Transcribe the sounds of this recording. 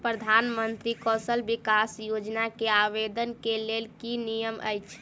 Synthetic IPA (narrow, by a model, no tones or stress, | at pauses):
pɾəd̪ʱanmənt̪ɾikɔsəlbikasjod͡ʒnakeaʋed̪ənkelelkinijəmə̰jt͡ʃʰ